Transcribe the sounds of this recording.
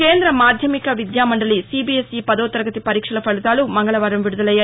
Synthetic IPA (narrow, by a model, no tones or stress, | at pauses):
keːnd̪ɾɐmaːd̪ʱjɐmikɐʋid̪jaːmɐɳɖɐlisibiesipɐd̪ɐːt̪ɐɾɡɐt̪ipɐɾiːkʂɐɭɐpɐɭit̪aːlumɐŋɡɐɭɐʋɐːɾɐmʋiɽud̪ɐlɐjːa